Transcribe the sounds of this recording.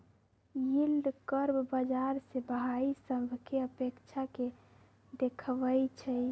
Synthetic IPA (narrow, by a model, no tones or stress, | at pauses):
jild̪kəɾbbəd͡ʒaɾsebɦaisəbʱkeəpekt͡ʃʰake | d̪ekʰʋət͡ʃʰɛj